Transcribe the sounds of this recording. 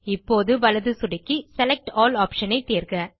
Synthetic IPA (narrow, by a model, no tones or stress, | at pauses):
ɪpːoːðɯʋɐlɐðɯsʊɽɪkːisɛlɛk̚ʈɔːlaːpʂɐnɐɪt̪iːɾkɐ